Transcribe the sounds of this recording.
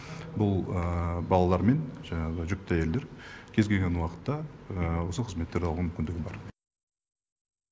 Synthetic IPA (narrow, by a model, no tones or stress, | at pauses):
bʊlˠəbɑlˠɑlˠɑɾme̞nʒ̥ɑɴɑʁəʒʏk̚t̪æje̞ld̪e̞ɾkʲʰe̞zɡʲe̞lɡʲenwɑqə̥t̪ːɑəwo̞səqʰəzme̞t̪ːeɾɑlˠʁumʏmʲɪnd̪ɪɡʲɪbɑ̰ɾ